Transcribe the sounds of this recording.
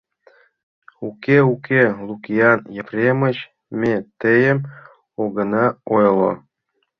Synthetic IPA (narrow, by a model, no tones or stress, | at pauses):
ukeukelukijɑnjeprʲemət͡ɕ | mʲet̪əjə̆m | oɣə̆nɑojlˠo̰